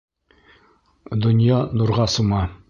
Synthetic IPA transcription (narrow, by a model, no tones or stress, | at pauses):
d̪ŏnjɑnuɾʁɑsumɑ